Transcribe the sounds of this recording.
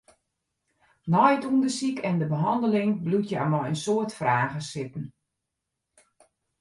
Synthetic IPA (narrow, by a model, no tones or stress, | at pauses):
nɔjtundəsikʰɛndəbəɦɑndəlɪŋblutʰjəa̰mɔjənsoətfraːɣəsɪpən̩